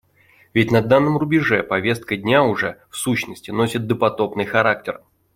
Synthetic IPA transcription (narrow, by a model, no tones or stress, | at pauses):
vʲɪtʲnɐd̪anːəmrʊbʲɪʐɛpɐvʲe̞st̪̚kədʲnʲaʊʐɛfsuɕnəsʲtʲɪno̞sʲɪt̪̚d̪əpɐt̪o̞pnɨjxɐɾak̚tʲɪr